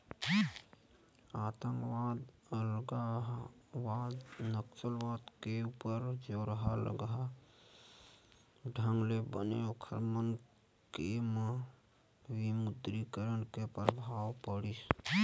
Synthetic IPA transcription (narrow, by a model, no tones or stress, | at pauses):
at̪əŋɡwad̪ | ləɡa | wad̪nəksəlʋad̪keupəɾd͡ʒoɾəɦalə̰ɡɦa | ɖʱəŋɡlebənḛokʰəɾmən | keme | wimud̪ɾikəɾənkepɾəbʱawpəɽis